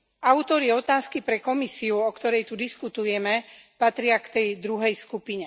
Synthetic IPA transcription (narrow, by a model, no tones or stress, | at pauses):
aʊt̪ɔɾiɔt̪aːskipɾɛkɔmisiuɔkt̪ɔɾɛjt̪ud̪iskut̪ujɛmɛpat̪ɾɪakt̪ɛjd̪ɾuɦɛjskupiɲɛ